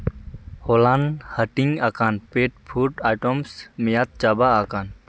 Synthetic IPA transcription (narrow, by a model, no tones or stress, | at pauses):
hoːlanhəʈiŋaːkaːnpeːʈ̚pʰuːʈaːʈomsmijaːt̪̚t͡ʃaːbaaːkaːn